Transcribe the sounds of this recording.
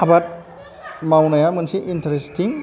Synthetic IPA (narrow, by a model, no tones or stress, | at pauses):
abat̚ | mawnajamɯnsiʔintɾestiŋ